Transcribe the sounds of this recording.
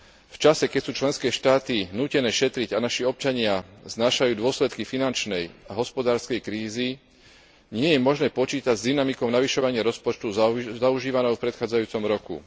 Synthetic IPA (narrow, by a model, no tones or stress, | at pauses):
ft͡ʃasɛkɛcsuːt͡ʃlɛnskɛːʃt̪aːt̪inuːcɛnɛːʃɛt̪ɾiɟanaʃiɔp̚t͡ʃaɲɪaznaːʃajuːd̪ʊɔslɛt̪kifinant͡ʃnɛjaɦɔspɔd̪aːɾskɛjkɾiːzi | ɲɪɛjɛmɔʒnɛːpɔt͡ʃiːt̪aɟzd̪inamikɔʊnaʋiʃɔʋaɲɪaɾɔspɔt͡ʃt̪uzauʒiːʋanɔʊfpɾɛt̪xaːd͡zajuːt͡sɔmɾɔkṵ